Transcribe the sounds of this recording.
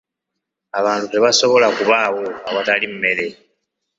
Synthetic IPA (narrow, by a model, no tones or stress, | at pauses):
aβaːntute̞βaso̞βo̞lakuβaːwo̞awatalimme̞ɾe̞